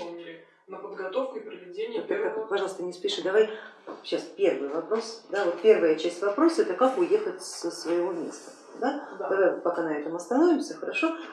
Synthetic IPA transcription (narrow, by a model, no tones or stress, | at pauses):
nəpəd̪ɡɐt̪ofkʊɪpɾəvʲɪdʲenʲɪakpɐʐɑlˠəst̪ənʲɪspʲɪʂɨd̪ɐvajɕːaspʲervɨjvɐpɾo̞sd̪avot̪̚pʲe̞rvəjət͡ɕæsʲtʲvɐpɾo̞səɛt̪əkakʊje̞xətʲsəsvəjɪvo̞mʲe̞̰st̪ə̥ | d̪ad̪d̪ɐvajpɐkanɐɛt̪əmɐst̪ɐno̞vʲɪmsʲəxəɾɐʂo̞